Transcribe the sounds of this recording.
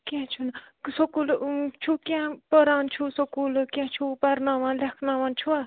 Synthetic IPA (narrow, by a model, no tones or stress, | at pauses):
kʲãt͡ʃʰuna | sokult͡ʃʰukʲãpəɾaːnt͡ʃʰusokuːlkʲãːt͡ʃʰupɐɾnãːʋãːnlekʰnãːʋãːnt͡ʃʰua